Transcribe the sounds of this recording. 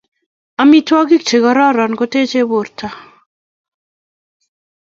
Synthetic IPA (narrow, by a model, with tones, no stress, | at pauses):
a˨mi˦twɔ˦ɡi˦k̚t͡ʃe˨ɣɔ˨ɾɔ˦ɾɔ˨nɡo˦te˦t͡ʃe˦βo˨ɾtʰa˦